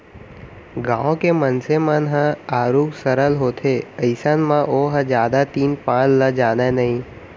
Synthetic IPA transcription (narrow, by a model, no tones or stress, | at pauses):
ɡãːõkemənsemənɦə̃aːɾuːksəɾəlɦoːt̪ʰeəɪsanmãʔoɦə̃d͡ʒjaːd̪at̪iːnpãːt͡ʃləd͡ʒaːnenɐɦĩ